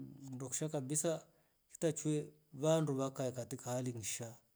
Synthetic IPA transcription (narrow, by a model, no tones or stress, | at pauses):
ndɔku̥ʃakabisa | ki̥tat͡ʃwɛ | βanduβakaikatikahaliŋiʃa